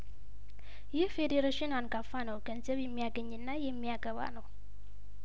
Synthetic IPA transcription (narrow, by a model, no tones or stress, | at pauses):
jɛhfedeɾaʃinanɡafanəwɡənzəβjɛmːijaɡəɲːɨnːajɛmːijaɡəβa̰nəw